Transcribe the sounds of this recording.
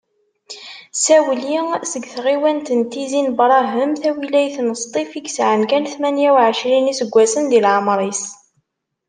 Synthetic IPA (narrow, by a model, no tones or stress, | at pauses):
sæwəlisəɡθʁiwænt̪ənt̪izinbɾˤɑɦəmθæwilæjθnəst̪ˤifiɡsʕəmkænθmænjæwʕəʃɾinisəɡʷːæsənd̪ilʕəmɾˤis